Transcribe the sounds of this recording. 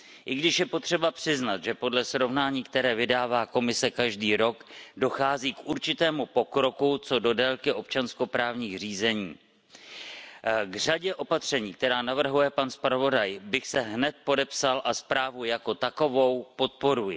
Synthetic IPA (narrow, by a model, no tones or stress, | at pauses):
ʔɪɡdɪʃjɛpo̞t̪r̝̥ɛbapr̥ɪznat̪ʒɛpo̞dlɛsɾovnaːɲiːkt̪ɛɾɛːvɪdaːvaːko̞mɪsɛkaʒdiːɾo̞kdo̞xaːziːkuɾt͡ʃɪt̪ɛːmupo̞kɾo̞kut͡so̞do̞dɛlkɪʔo̞p̚t͡ʃansko̞pɾaːvɲiːxriːzɛɲḭː | ɡr̝aɟɛʔo̞pat̪r̝̥ɛɲiːk̚t̪ɛɾaːnavr̩ɦujɛpanspɾavo̞dajbɪxsɛɦnɛt̪̚po̞dɛpsalʔaspɾaːvujako̞t̪ako̞vo̞wpo̞t̪̚po̞ɾujɪ